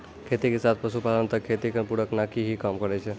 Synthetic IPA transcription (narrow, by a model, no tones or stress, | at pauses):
kʰet̪ikesat̪̚ʰpəsupad̪ənt̪əkʰet̪ikpuɽəknakiɦikamkəɾɛt͡ʃʰɛ